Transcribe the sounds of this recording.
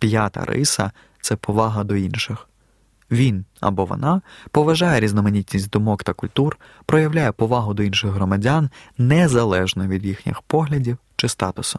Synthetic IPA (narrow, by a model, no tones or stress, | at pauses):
pʲjat̪ɐ̰ɾɪ̰sɐ̰ | t̪sɛpɔʋɑɦɐd̪ɔinʃɪx | ʋʲinɐ̰bɔʋɔ̰nɑpɔʋɐʒɑjɛɾʲiznɔmenʲitʲnʲisʲtʲd̪ɔmɔkt̪ɐkʊlʲt̪ur | pɾɔjɐwlʲajɛpɔʋɑɦʊd̪ɔinʃɪɣɦɾɔmɐdʲanːɛzɐlˠɛʒnɔʋʲid̪jixnʲɪ̰xpɔɦlʲɐdʲiwt͡ʃɪst̪ɑt̪ʊsʊ̥